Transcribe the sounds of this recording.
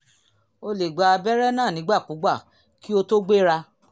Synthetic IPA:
o˧le˨ɡ͡ba˧a˧bɛ˦ɾɛ˦nãː˦˨nĩ˨˦ɡ͡ba˦˨ku˨˦ɡ͡ba˦˨ | ki˦o˧to˦ɡ͡be˦ɾa˧

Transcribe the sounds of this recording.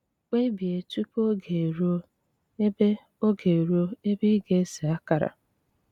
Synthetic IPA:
k͡pe˦bi˨e˨tu˦po˦ɡe˨ɾo˦ | e˦be˦ | o˦ɡe˨ɾo˦e˦bi˦ɡe˨˦si˨a˦ka˨ɾa̰˨

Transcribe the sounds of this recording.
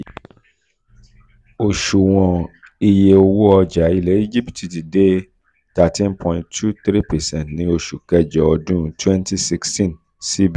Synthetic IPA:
o˨ʃu˨w̃ɔ̃˨ | i˧je˧o˧wo˦ɔ˧d͡ʒa˨˦i˧lɛ˨˦i˦d͡ʒi˦pti˨ti˨de˦ | ta˨tĩ˦npʰɔ̃˧ĩ˧ntʰu˦t̪ɾi˦pɛ˨sɛ̃˦˨ntnĩ˦o˧ʃu˨kɛ˦d͡ʒɛ˨ɔ˧dũ˦twɛ̃˦nti˦si˧kstĩ˦n | si˦b

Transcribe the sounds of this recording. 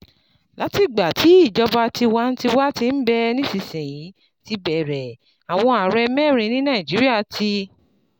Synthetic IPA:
la˨˦ti˦˨ɡ͡ba˨tʰi˨˦i˦˨d͡ʒɔ˧ba˧ti˧wa˦n̩˦ti˧wa˦ti˧n̩˦bɛ˦nĩ˦si˧sɛ̃˨jĩ˨˦ | ti˧bɛ˨ɾɛ˨ | a˨w̃ɔ̃˧a˨ɾɛ˧mɛ̃ː˦˨ɾ̃ĩ˨˧˦nĩ˦nãː˦˨ĩ˨d͡ʒi˨˦ɾi˦a˦˨tʰi˧

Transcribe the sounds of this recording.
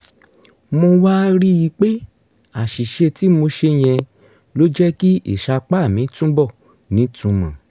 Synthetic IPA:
mo˧wa˦ɾi˦ji˧k͡pe˦ | a˨ʃi˨ʃe˧ti˨˦mo˧ʃe˧j̃ɛ̃˧ | lo˦d͡ʒɛ˦ki˦ḛ˨ʃa˧k͡pa˦˨mĩ˨˦tũ˦bɔ˦˨ | nĩ˨˦tũ˧mã̰˨

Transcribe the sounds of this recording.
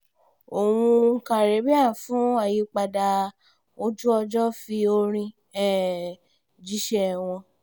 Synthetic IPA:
o˨w̃ũ˧˦˧ka˨ɾe˨˦bɛ˦a˦˨fũ˨˦a˦˨ji˧˦k͡pa˧da˧ | o˧˦d͡ʒu˦ɔ˧d͡ʒɔ˦fi˧o˧ɾ̃ĩ˧ | ɛ˦˨ | d͡ʒi˦ʃɛ˦˨w̃ɔ̃˧

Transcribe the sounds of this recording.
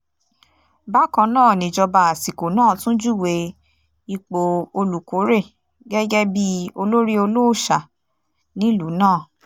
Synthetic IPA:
ba˦kã˧nãː˦˨nĩ˨˦d͡ʒɔ˧ba˧˨a˨si˨ko˨nãː˦˨tũ˦d͡ʒu˦˨we˨˧ | i˧k͡po˧o˧lu˨ko˨˦ɾe˦˨ | ɡɛ˦ɡɛ˦bi˦o˧lo˦ɾi˦o˧lo˦˨ʃa˨ | nĩ˨˦lu˨˦nãː˦˨

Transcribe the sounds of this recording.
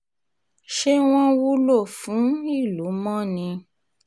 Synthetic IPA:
ʃe˦w̃ɔ̃˦wu˦lo˦˨fũ˨˦i˦˨lu˨˦mɔ̃˦˨nĩ˧

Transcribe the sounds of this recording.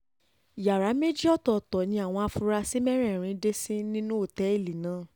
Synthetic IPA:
ja˨ɾa˨˦me˦d͡ʒi˦ɔ˦˨tɔ˨tɔ˨nĩ˧a˨w̃ɔ̃˧a˧fu˧ɾa˧si˦mɛ˦ɾ̃ɛ˦˨ɾ̃ĩ˧de˦sĩ˦nĩ˦nũ˦o˦˨tɛ˨˦i˦˨li˨nãː˨˦˨

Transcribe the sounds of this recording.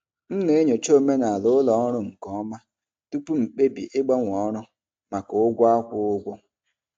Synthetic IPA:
n̩˦ne˦ɲo˨t͡ʃo˦˨me˦na˨a˨lʊ˨˦lɔ˨˦ɾʊ˦ŋ̩˨kɔ˦ma˦ | tu˦pu˦m̩˨k͡pe˦bḭ˨ʔɪ˦ɡ͡ba˦ŋʷ˨ɔ˦ɾʊ˦ | ma˨kʊ˨ʊ˦ɡʷʊ˦a˦kʷʊ˦ʊ˦ɡʷo˦

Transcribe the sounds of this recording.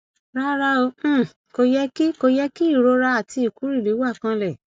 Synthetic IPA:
ɾa˦ɾa˧õ˧˦˨ | ko˧jɛ˦ki˦ko˧jɛ˦ki˦i˦˨ɾo˧˦ɾa˧˦a˦˨ti˧i˨ku˨˦ɾi˦˨li˨˦wa˦˨kã˧lɛ˦˨

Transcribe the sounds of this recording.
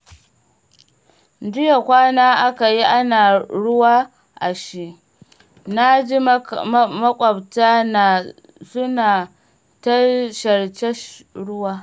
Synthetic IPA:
dɪ˦ja˨kʷaː˦naː˦ʔa˦ka˨ji˦ʔa˦naː˨ɽʊ˦waː˦ | ʔa˨ʃi˦ʔ | na˦d͡ʒi˦ | mɐ˦kʷʼɐ˨btaː˦na˨ | sʊ˦naː˨ | tɐ˦ʃɐ˨ɽt͡ʃɛ˦ʃɽʊ˦waː˦

